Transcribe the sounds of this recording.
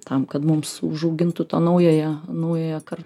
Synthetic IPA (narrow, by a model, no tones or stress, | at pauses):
t̪ɐmkɐt̪mʊmsʊʒɐʊɡʲɪnt̪ʊt̪ɐnɐʊjoːjɛnɐʊjoːjɛkɐrt